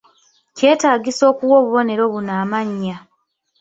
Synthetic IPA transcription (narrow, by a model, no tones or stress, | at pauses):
ce̞ːtaːɡiso̞ːkuwo̞ːβuβo̞ne̞ɾo̞βunaːmaɲːa